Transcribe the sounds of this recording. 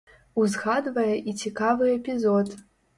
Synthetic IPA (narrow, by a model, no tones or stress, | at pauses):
uzɣad̪vɐjɛʔit͡sʲikavɨɛpʲizɔt̪